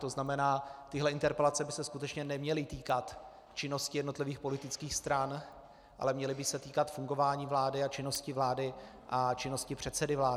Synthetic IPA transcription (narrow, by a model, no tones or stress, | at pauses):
t̪o̞znamɛnaːt̪ɪɦlɛɪnt̪ɛɾpɛlat͡sɛbɪsɛskut̪ɛt͡ʃɲɛnɛmɲɛlɪt̪iːkat̪ | t͡ʃɪno̞scɪjɛdnot̪lɪviːxpo̞lɪt̪ɪt͡skiːxst̪ɾan | ʔa̰lɛmɲɛlɪbɪsɛt̪iːkat̪fuŋɡo̞vaːɲiːvlaːdɪat͡ʃɪno̞scɪvlaːdɪ | ʔat͡ʃɪno̞scɪpr̝̥ɛt̪sɛdɪvlaː